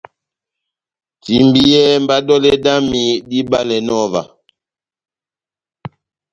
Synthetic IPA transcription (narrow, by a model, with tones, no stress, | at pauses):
ti˨mbi˦jɛ˦m˦ba˦dɔ˦lɛ˦da˦mi˨di˦ba˦lɛ˨nɔ˦˨va̰˨